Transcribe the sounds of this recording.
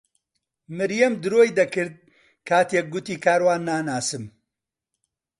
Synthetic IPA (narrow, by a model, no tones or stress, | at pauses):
mɨɾjɐmd̪ɨɾoːjd̪ɐkɨɾd̪̚ | kʰaːt̪eːk̚ɡʊt̪iːkʰaːɾwaːnːaːnaːsɨm